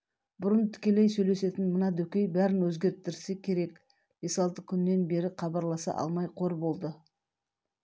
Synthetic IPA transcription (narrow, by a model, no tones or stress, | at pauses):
bʊɾənt̪ʰɪ̥kʲe̞lejsɵjle̞se̞t̪ɪnmənɑd̪ɵkʲe̞jbæɾɪnwɵzɡʲe̞ɾt̪ɪɾsekʲʰe̞ɾe̞k | b̥e̞sɑlˠt̪əkʲʰʏnːe̞nbe̞ɾɪqʰɑbɑɾlˠɑsɑ̰ʔɑ̰lˠmɑjqʰo̞ɾbo̞lˠd̪ə